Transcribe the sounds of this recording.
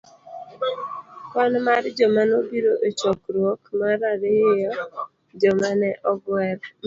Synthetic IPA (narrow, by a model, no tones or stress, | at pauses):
wanmaɾd͡ʒɔmanobiɾoʔet͡ʃɔkɾwɔkmaɾaɾɪjɔ | d͡ʒɔmanɛʔɔɡwɛɾ